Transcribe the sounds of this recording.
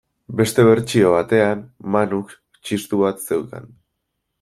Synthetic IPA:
be̞st̪e̞βe̞ɾt͡ʃio̞β̞at̪e̞ammanuks | t͡ʃist̪uβat̪se̞wka̰n

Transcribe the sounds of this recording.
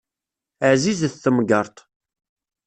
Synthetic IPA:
əʕzizθːəmɡəɾˤt̪ˤ

